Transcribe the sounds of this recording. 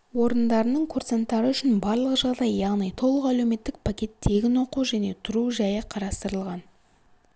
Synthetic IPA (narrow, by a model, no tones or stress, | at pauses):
wo̞ɾənd̪ɑɾənəɴkʰurt̪sent̪ːɑɾəʏʃɪnbɑɾlˠəqʒɑʁd̪ɑjːɑʁnijt̪ʰo̞lˠəqæle̞wme̞t̪ːɪk̚pʰakʲe̞t̪ʰːe̞ɡʲɪnwo̞quʒæne̞t̪ʰʊɾuʒæjəqʰɑɾɑst̪əɾəlˠʁɑn